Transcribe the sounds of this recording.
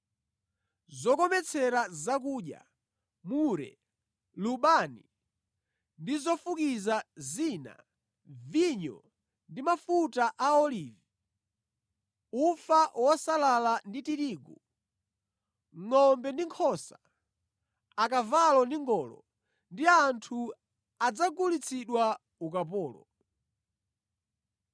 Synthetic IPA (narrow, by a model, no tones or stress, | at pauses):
zɔkɔmɛt͡sʰɛɾazak̬uɗja̰ | muɾɛ̰ | luɓani | ndizɔfukizazina̰ | viɲɔ̰ | ndimafutaʔaɔliːvi | ufawɔsalalanditiɾiːɡu | ŋɔmbɛndiŋkʰɔsa | akavalɔndiŋɡɔːlɔ̰ | ndiantʰu | ad͡zaɡulit͡sʰiɗwa | uk̬ap̬ɔːlɔ̰